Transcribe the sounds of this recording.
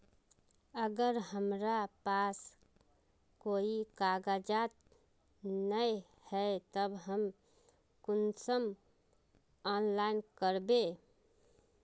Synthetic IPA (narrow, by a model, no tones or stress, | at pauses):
əɡəɾɦəmɾapas | koikaɡad͡ʒat̪̚ | nəj | hɛet̪əbɦəm | kunsəm | ɔnlainkəɾbe